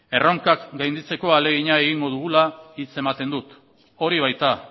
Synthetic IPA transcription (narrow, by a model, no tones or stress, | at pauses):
e̞ro̞ŋkakɡajnd̪it͡se̞ko̞ale̞ɣiɲae̞ɣiŋɡo̞ð̞uɣ̞ulait͡se̞mat̪e̞nd̪ut̪ | o̞ɾiβ̞ajt̪a